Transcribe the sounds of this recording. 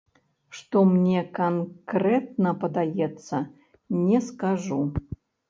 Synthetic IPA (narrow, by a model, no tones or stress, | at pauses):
ʂt̪ɔmnʲɛkankrɛt̪̚nɐpɐd̪ajɛt̪sːɐ | nʲɛskaʐu